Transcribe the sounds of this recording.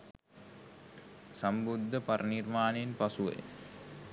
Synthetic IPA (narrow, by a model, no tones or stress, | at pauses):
sambud̪ʱːəpaɾʔənirmaːnenpasuʋḛj